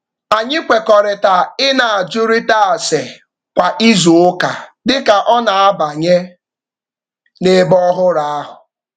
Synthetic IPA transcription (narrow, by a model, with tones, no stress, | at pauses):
a˨ɲɪ˦kʷe˨kɔ˨ɾɪ˨ta˨ɪ˦na˨a˨d͡ʒʊ˦ɾi˦ta˦a˨se˨ | kʷa˨ʔi˦zu˨ʊ˦ka˨dɪ˦ka˨ʔɔ˦na˨a˦ba˨ɲe˦ | ne˦bɔ˦ɦʊ˦ɾa˨a˦ɦʊ˨